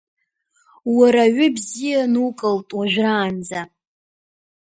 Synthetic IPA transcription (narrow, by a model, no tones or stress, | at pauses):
waɾaɥʏbzijanukʼɨltʼwaʒᶣraːnd͡za